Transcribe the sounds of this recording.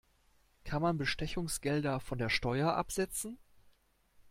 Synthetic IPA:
kʰanmanbəʃtɛçʊŋsɡ̥ɛldɐfɔndeːɐʃtɔʏɐʔa̰pz̥ɛt͡sn̩

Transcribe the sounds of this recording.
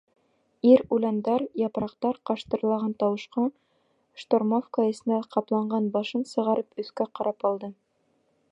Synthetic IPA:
iɾulɑnd̪ɑɾjɑpɾɑqt̪ɑɾqɑʃt̪ɤ̆ɾlˠɑʁɑnt̪ɑwɤ̆ʃqɑ | ʃt̪ormofkaɘ̆sɘ̆næqɑplˠɑɴɢɑnbɑʃɤnsɤ̆ʁɑɾɤpɵ̆θkæqɑɾɑpɒlˠd̪ɤ

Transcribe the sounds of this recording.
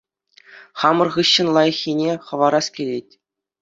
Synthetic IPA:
χɑmɤ̆rʁɯɕːɤ̆nlˠɑjɤ̆xʲːinʲeχɤ̆ʋɑɾɑskʲelʲetʲ

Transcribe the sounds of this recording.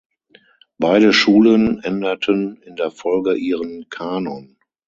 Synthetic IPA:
b̥aɪdəʃuːlənʔɛndɐtʰənɪndeːɐfɔlɡəʔiːʁənkʰaːnɔn

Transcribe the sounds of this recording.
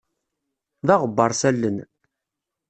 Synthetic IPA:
ðɑʁəbːɑɾˤsælːən

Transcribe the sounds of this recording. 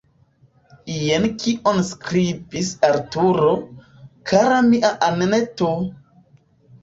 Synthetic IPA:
jenkiʔonskɾibisaɾtuɾo | kʰaɾamiʔaʔaneneto

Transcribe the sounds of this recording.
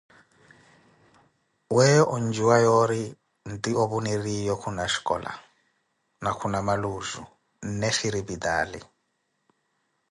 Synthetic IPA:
wɛjɔʔɔnd͡ʒiwajɔɾi | n̩tʼioβunirijɔkʰunaʃi̥kʼɔ̰ːla̰ | nakʰunamaluzṵ | nnɛʃiɾibid̪a̰ːlḭ

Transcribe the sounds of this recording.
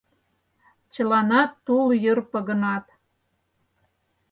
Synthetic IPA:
t͡ɕə̆lɑnɑt̪ːuljərpə̆ɣə̆nɑt̪

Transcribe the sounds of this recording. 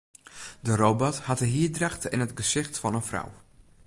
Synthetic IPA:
dərobɔthatəɦiədraxtɪ̰nətɡəsɪxtfɑnənfra̰w

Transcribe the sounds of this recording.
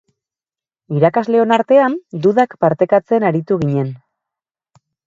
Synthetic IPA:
iɾakazle̞o̞naɾt̪e̞and̪uðakpaɾt̪e̞kat͡se̞naɾit̪uɣiɲe̞n

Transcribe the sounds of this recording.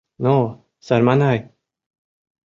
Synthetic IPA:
no | saɾmanaj

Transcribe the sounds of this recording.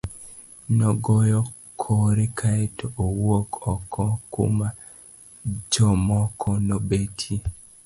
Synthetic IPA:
nɔɡɔjɔ | kʰɔɾekʰaetoʔowokʰɔkʰɔkṵma | d͡ʒɔmɔkʰɔnɔbetʰi

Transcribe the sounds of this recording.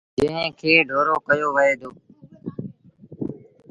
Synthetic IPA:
d͡ʒə̃ɦẽkʰeːɖʱoːɾoːkəjoːʋəɦeːd̪oː

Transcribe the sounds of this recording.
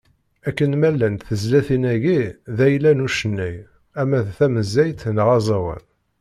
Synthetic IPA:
ækːənmælːænt̪θəzlæθinæʝiðæjlænuʃənːæj | æmæðθæməzːæjt̪nʁɑzˤɑwə̰n

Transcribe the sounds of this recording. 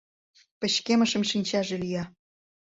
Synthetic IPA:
pə̆ɕkeməʃə̆mʃinʲt͡ɕɑʒelijɑ

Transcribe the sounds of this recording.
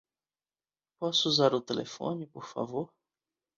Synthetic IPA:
pɔsʊuzaɾʊt̪elḛfõ̰nɪpoɾfa̰voɾ

